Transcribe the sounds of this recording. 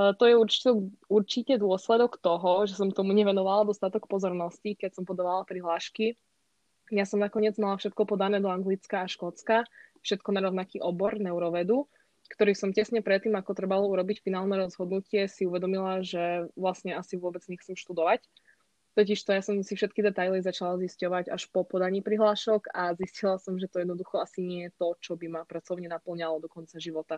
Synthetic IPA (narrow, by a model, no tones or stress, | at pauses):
t̪ɔjɛuɾt͡ʃi̥t̪ɔuɾt͡ʃicɛd̪ʊɔslɛd̪ɔkt̪ɔɦɔʒɛsɔmt̪ɔmuɲɛʋɛnɔʋalad̪ɔst̪at̪ɔkpɔzɔɾnɔscikɛcsɔmpɔd̪ɔʋalapɾiɦlaːʃki | jasɔmnakɔɲɪɛd͡zmalafʃɛt̪̚kɔpɔd̪anɛːd̪ɔaŋɡlit͡skaːʃkɔt͡skafʃɛt̪̚kɔnaɾɔʊnakiːʔɔbɔɾnɛʊɾɔʋɛd̪u | kt̪ɔɾiːsɔmcɛsɲɛpɾɛt̪ːiːmakɔt̪ɾɛbalɔuɾɔbicfinaːlˠnɛɾɔzɦɔd̪nucɪɛsiuʋɛd̪ɔmilaʒɛʋlasɲɛasiʋʊɔbɛd͡zɲɛxt͡sɛmʃt̪ud̪ɔʋac | t̪ɔciʃt̪ɔjasɔmsifʃɛt̪̚kid̪ɛt̪ajlizat͡ʃalaziscɔʋaɟaʃpɔpɔd̪aɲiːpɾiɦlaːʃɔɡaziscilasɔmʒɛt̪ɔjɛd̪nɔd̪uxɔasiɲɪɛjɛt̪ɔt͡ʃɔbimapɾat͡sɔʊɲɛnapl̩ɲalɔd̪ɔkɔnt͡saʒiʋɔt̪a